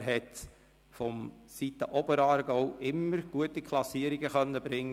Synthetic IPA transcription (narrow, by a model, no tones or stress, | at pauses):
ɾɦɛt | fɔmsitəʔɔbəɾɑːɾɡɔʊʔɪmːəɾɡ̥uətikʰlɑsiəɾiɡəχœnːəbɾɪŋː